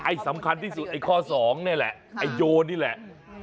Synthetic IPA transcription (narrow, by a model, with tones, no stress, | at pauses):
ʔa˧˩jsa˩˦mkʰa˧nt̪ʰiː˥˩su˨˩t̪̚ʔa˧jkʰɔː˥˩sɔː˩˦ŋni˥˩ɐlɛ̰˨˩ʔʔa˧jːoː˧nːiː˥˩lɛ˨˩ʔ